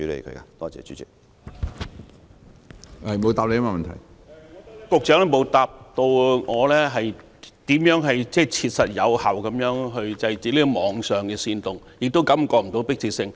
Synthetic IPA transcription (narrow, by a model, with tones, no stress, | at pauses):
yː˨˥lḛ˨jkʰɵ̰˨˧˥ka˧t̪ɔː˥t͡sɛ̰ː˨˩t͡ʃy˨˦˥t͡sɪ˥k̚ | ɐ˨˩jmo˨˧wt̪aː˨p̚le˨˧jma˧mɐ˨nt̪ʰɐ̰˨˩j | kʊ˨˧k̚t͡ʃœː˨˥ŋlɛ˥mo˨˧wt̪aː˨p̚t̪o˧wŋɔː˨˧lɛː˥ɦɐ˨j | t̪iː˨˥mjœː˨˥ŋɦɐ˨jt͡sɛː˥˩t͡sʰiː˧t̚sɐ˨t̚jɐ˨˧whɐ˨wkɐ˨˧˥mjœː˨˧˥ŋɦɵ˧ɥt͡sɐ˧jt͡siː˨˥liː˥kɔ˧mɔː˨˧ŋsœː˨ŋkɛː˧siː˧nt̪ʊ˨ŋ | jɪ˨k̚t̪o˥wkɐ˨˥mkɔː˧m̩˨˩t̪o˨˥wpɪ˥k̚t͡sʰiː˨˩sɪ˧ŋ